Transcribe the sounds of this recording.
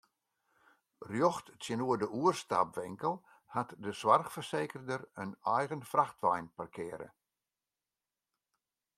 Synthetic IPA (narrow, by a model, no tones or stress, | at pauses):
rjoxtsjənuədəʔuərsta̰pʋɪŋkəlˠ | hatdəswarxfərseːkərdərənɛjɣənfraxtʋɛjnparkʰɪəɾə̰